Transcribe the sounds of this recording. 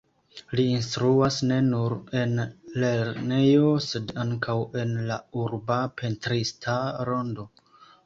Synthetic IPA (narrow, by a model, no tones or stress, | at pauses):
liːnstɾuasne̞nuɾe̞nle̞ɾne̞jo̞se̞daŋkʰawe̞nlauɾbapʰe̞ntɾistʰaɾo̞ndo̞